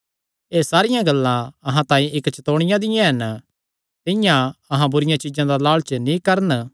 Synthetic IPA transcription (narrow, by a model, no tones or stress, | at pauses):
eːsaːɾɪjãɡɐlːãɐɦãt̪ãːĩʔɪkt͡ʃɐt̪oːɽ̃ɪ̃jãd̪ɪjãɦɐn | t̪ɪ̃jãɐɦãbʊɾɪjãt͡ʃɪd͡ʒãd̪alaːɭt͡ʃənĩkɐɾən